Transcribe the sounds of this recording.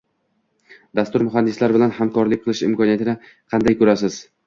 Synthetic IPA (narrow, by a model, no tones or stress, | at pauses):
d̪ast̪ʊɾmʊɦand̪ɪslaɾbɪlanhamkʰɒɾlɪk̚ʲqɨlˠɪʃɪmkɒniat̪ʰɪnɪ | qʰɑnd̪ajkʰɵɾasɪz̥